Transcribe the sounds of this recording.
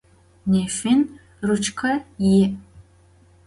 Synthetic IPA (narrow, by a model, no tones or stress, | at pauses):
neːfɪn | rɨt͡ʃʰkʰɐjɪ